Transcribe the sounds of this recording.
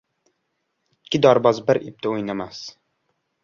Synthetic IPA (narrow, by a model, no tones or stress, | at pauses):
ɪtʰʲːɪd̪ɒɾbɒzbɪɾip̚t̪ʰaojnamas